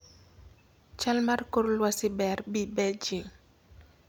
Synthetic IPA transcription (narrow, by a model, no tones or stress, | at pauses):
t͡ʃalmarkoɾlwasɪbɛɾbibɛd͡ʒɪŋ